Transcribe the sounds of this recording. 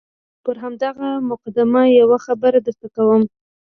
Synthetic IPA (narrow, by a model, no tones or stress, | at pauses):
pəɾɦamd̪aɣamʊqad̪ɪmajawaxabəɾad̪əɾt̪akawəm